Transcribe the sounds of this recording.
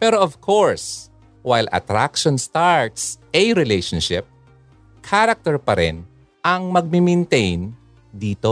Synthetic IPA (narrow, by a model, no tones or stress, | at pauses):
pɛːɾoʔɐvkʰoɹs | wajlʔɐ̰t̪ɾakʃɔnst̪aɹt̪sʔɛjɾɪlejʃɔnʃɪp̚ | kʰaɾɐk̚t̪ɛɹpɐɾɛ̰n | ʔɐŋmɐɡ̚mimɛnt̪ejn | d̪iːt̪o